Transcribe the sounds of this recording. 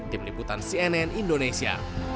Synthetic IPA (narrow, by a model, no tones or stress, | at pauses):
d̥imliput̪ansiɛnɛnindonesia̰